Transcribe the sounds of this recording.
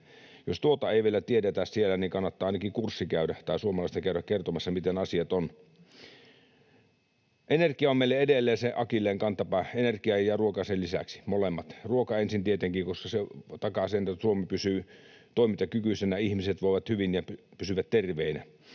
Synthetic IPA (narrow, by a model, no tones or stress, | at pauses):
jost̪uot̪ɑeˑiʋielæt̪iedet̪æssielæniŋkɑnːɑt̪ːɑːɑinɑkikursːikæˑydæt̪ɑˑisuomɑlɑist̪ɑkæøɾækkert̪omɑsːɑmit̪enɑsiɑt̪on | ʔenerkiɑommeilːeedelːeːseʔɑkilːˑeːŋkɑnt̪ːɑpɑenerkiɑjjjɑruokɑsellisæ̰ksi̥molemːɑt̪ruokɑensint̪iet̪eŋkiːkoskɑset̪ɑkɑseːnet̪ːsuomipysy | t̪oˑimit̪ɑkykysenæɑihmiset̪ʋoˑiʋɑt̪hyʋinjɑpysyʋæt̪t̪erʋeinæ̰